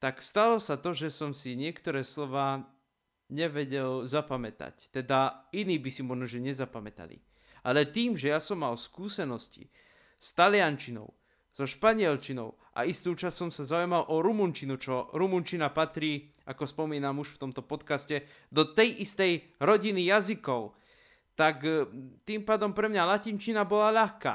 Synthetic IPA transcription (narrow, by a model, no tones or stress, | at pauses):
t̪akst̪alɔsat̪ɔʒɛsɔmsiɲɪɛkt̪ɔɾɛːslɔʋaː | ɲɛʋɛɟɛlzapamɛt̪a̰ct̪ɛd̪ainiːbisimɔʒnɔʒɛɲɛzapamɛt̪a̰lḭ | ʔalɛt̪iːmʒɛjasɔmːalskuːsɛnɔscḭ | st̪alɪant͡ʃinɔ̰ʊ | z̥ɔʃpaɲɪɛlt͡ʃinɔ̰ʊ | ʔa̰ist̪uːt͡ʃasːɔmsazaujmalʔɔɾumuɲt͡ʃinut͡ʃɔɾumuɲt͡ʃinapat̪ɾiː | akɔspɔmiːnamuʃft̪ɔmt̪ɔpɔt̪kascɛ | d̪ɔt̪ɛjʔist̪ɛj | ɾɔɟinijazikɔʊ | t̪akt̪impaːd̪ɔmpɾɛmɲalacint͡ʃinabɔlaʎaxka̰ː